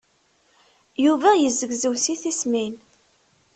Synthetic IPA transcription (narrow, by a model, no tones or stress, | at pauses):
juvæjəzːəɡzəwsiθismin